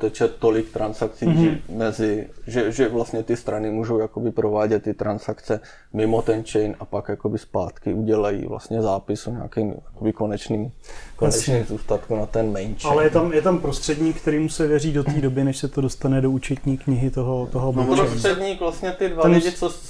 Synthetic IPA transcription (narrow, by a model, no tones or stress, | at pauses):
t̪ɛt͡ʃɛtt̪ːo̞lɪkt̪ɾansakt͡siːʒɛmɛzɪʒɛʒɛvlast̪ɲɛt̪ɪst̪ɾanɪmuːʒowjakobɪpɾo̞vaːɟɛt̪ːɪt̪ɾansakt͡sɛ | mɪmot̪ɛnt͡ʃɛjnapakjakobɪspa̰ːt̪kɪʔuɟɛlajḭːvla̰st̪ɲɛzaːpɪsuɲa̰ːkimjakobɪkonɛt͡ʃniːmkonɛniːmzuːst̪at̪kunat̪ɛnmɛjnt͡ʃalɛjɛt̪amjɛt̪ampɾost̪r̥ɛdɲiːk̚t̪ɛɾiːmusɛvjɛriːdo̞t̪iːdobɪnɛʃsɛt̪odo̞st̪anɛdo̞ut͡ʃɛt̪ɲiːkɲɪɦɪt̪oɦot̪oɦobuɾosrɛdɲiːkvlast̪ɲɛt̪ɪdvaɪɪt͡sos